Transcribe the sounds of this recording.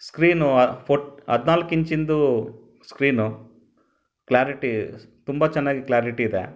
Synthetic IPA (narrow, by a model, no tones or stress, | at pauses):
skɾiːnupʰoʈɐ̰d̪naːlkːiɲt͡ʃind̪u | skɾiːnu | klaːɾiʈi | t̪umbɐt͡ʃɛnːaːɡiklaːɾiʈiːd̪ḛ